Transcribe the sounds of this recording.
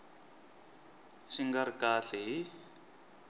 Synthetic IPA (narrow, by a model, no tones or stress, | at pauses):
ʃiŋɡaɾikaːɬɛɦi